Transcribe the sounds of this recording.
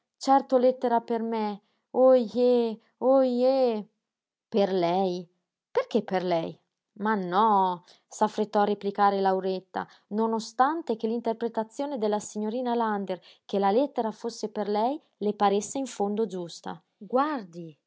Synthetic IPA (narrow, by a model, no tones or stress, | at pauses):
t͡ʃɛrt̪olɛt̪ːeɾaperme | oje | oje | perlɛj | perk̟epːerlɛj | manːɔ | safːɾet̪ːɔarːeplikaːɾelawɾet̪ːa̰ | nonost̪ant̪ekelint̪erpɾet̪at̪sːjoːned̪elːasiɲːoɾiːnaland̪er | k̟elalɛt̪ːeɾafosːeperlɛj | lepaɾesːeiɱfond̪od͡ʒust̪a̰ | ɡward̪i